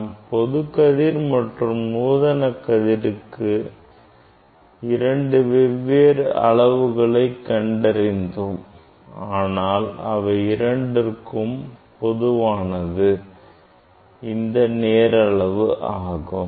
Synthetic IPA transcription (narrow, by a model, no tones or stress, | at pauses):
mpɔðɯkːɐðiːɾmɐʈrɯmnuːðɐnɐkːɐðiɾɯkːɯ | ɪɾɐɳɖɯʋɛʋːeːɾɐ̰ɭɐʋɯɣɐɭɐɪkːɐɳɖɐɾɪnd̪ɯm | aːnaːlɐʋɐɪɾɐɳɖɪrkɯmpɔðɯʋaːnɐðɯ | ɪnd̪ɐneːɾɐɭɐʋɯʔaːɣɯm